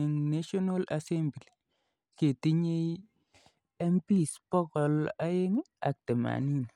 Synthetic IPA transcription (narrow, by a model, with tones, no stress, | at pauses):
i˨ŋna˦ʃɔ˦na˦la˨sɛ˦mbli˨ | ke˨ti˦ɲe˦i | ɛ˦mpi˦˨spɔ˦kɔ˨la˦e˦ŋe˦a̰˨k̚tɛ˨ma̰˨ni˦n